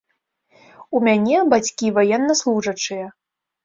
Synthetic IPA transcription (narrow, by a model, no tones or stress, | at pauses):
umʲanʲɛbat͡sʲkʲivajɛnːɐslˠuʐɐt͡ʂɨjɐ